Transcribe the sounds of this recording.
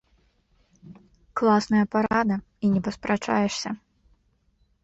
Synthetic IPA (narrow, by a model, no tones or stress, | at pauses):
klˠasnɐjɐpaɾad̪ɐ | inʲɛpɐspɾat͡ʂa̰jɛʂsʲɐ